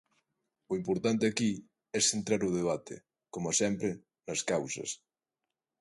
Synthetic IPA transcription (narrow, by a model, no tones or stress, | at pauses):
ʊimpoɾt̪ant̪eaki | ɛsθent̪ɾaɾʊð̞eβ̞at̪ḛ | komasɛmpɾe | nɐskawsɐ̰s